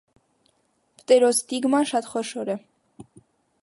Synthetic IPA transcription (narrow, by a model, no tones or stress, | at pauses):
pt̪ʼɛɾɔsd̪iɡmɑnʃɑt̪χɔʃɔɾɛ